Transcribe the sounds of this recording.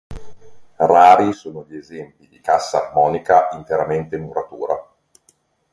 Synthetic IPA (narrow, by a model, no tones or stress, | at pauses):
raːɾisoːnoʎiezɛmpid̪ikasːa̰ːrmɔːnikaint̪eɾament̪enuɾat̪uːɾa̰